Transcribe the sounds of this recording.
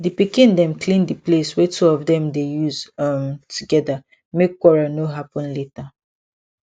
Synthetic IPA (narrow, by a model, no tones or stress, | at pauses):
dipikĩndɛ̃mklĩndipleswɛtʰuɔvdɛ̃mdejuzamtʰuɡɛda | mekːwɔɹanoɦapɔ̃nleta